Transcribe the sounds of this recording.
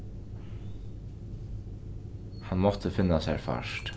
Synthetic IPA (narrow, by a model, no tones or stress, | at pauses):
hanmɔt̪əfɪnːasa̰ɹfa̰ʂt̪